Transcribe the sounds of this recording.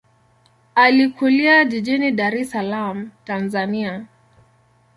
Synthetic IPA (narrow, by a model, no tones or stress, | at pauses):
alikuliad͡ʒiʄiniɗaɾɛsalam̩tanzania